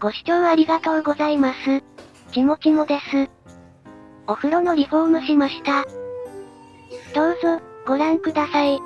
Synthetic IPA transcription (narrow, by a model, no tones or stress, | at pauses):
ɡ̥o̞ɕi̥t͡ɕo̞ːβaɾʲiɡat̪o̞ːɡo̞zaimasɨ | kʲimo̞kʲimo̞d̪e̞sɨ | o̞ɸɯ̟ɾo̞no̞ɾʲiɸo̞ːmɯ̟ɕimaɕi̥t̪a | d̪̥o̞ːzo̞ɡo̞ɾãŋkɯ̟d̪asai